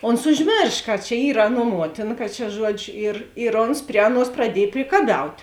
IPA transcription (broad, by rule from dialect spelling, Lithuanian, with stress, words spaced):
ˈoːns ʊʒʲˈmʲeːrʃ kɐ t͡ʃʲɛ ˈiːr ˈɑːˌnuɔ ˈmuɔtʲɪnɐ kɐt t͡ʃʲɛ ˈʒuɔd͡ʒʲʊ ɪr ɪr ˈoːns ˈpʲrʲɪ ɐˌnuɔs prɐˈdʲiɛj pʲrʲɪkɐˈbʲɛʊtʲ